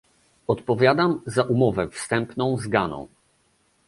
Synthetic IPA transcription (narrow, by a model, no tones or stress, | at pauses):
ɔt̪pɔvʲjad̪amzaʔumɔvɛfst̪ɛmpnɔ̃w̃zɡanɔ̰̃w̃